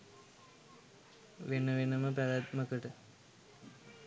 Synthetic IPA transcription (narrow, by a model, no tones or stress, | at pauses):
ʋenəʋenəməpælæt̪məkəʈə